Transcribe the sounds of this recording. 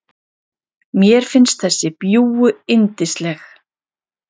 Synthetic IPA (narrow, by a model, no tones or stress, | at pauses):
mjɛɾ̥fɪnst̪̚θɛsːɪpjuːwʏɪnt̪ɪst̪lɛx